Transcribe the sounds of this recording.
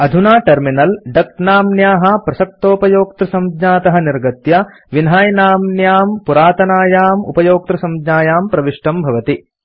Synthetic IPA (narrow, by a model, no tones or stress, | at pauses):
ɐd̪ʱunaːʈɐɾminɐlɖɐk̚naːmnjaːɦɐpɾɐsɐk̚t̪oːpɐjoːk̚t̪ɾɐsɐmd̪ɲaːt̪ɐɦɐniɾɡɐt̪jɐ | ʋinɦaːjnaːmnjaːmpuɾaːt̪ɐnaːjaːmṵpɐjoːk̚t̪ɾɐsɐmd̪ɲaːjaːmpɾɐʋiʂʈɐmbʱɐʋɐt̪i